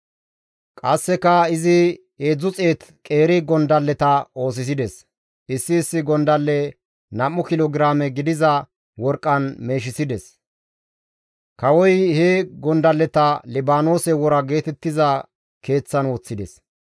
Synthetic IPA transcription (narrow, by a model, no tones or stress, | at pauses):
kʼɐsːɛkɐɪzɪ | eːd͡zːʊt͡sʼe̞ːt̪kʼe̞ːɾɪɡɔnd̪ɐlːɛt̪ɐo̞ːs̬ɪs̬ɪd̪ɛs | ʔɪsːɪːsːɪɡɔnd̪ɐlːɛ | nɐmːʊkɪloɡɾaːmɛɡɪd̪ɪzɐ | wɔɾkʼːɐnme̞ːʃ̬ɪsɪd̪ɛs | kɐwɔjheɡɔnd̪ɐlːɛt̪ɐlɪbaːno̞ːsɛwɔɾɐɡe̞ːt̪ɛt̪ːɪzɐ | ke̞ːt͡sːɐnwɔːt͡sːɪd̪ɛs